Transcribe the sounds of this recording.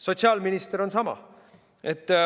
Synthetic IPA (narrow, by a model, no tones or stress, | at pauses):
sot̪siɑːlminist̪əɾonsɑmɑ̰ | ʔet̪ː